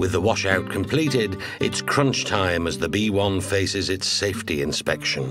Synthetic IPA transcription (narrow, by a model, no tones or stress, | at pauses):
wɨðəwɑʃaʊt̚kʰə̃mpʰl̥iɾɪd | ɨ̰tskʰɹ̥ʌ̃nt͡ʃtʰãɪ̃mɨzðɨbiwʌ̃nfeɪsɪzɨtseɪftiɪ̃nspɛkʃɨ̃n